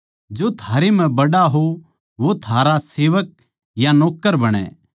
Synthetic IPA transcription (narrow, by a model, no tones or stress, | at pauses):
d͡ʒot̪ʰaːɾem̤ɛ̃bɐɽaɦo | ʋot̪ʰaːɾaseːʋək̚ | janɔːkːəɾbɐɽ̃ɛ̰ː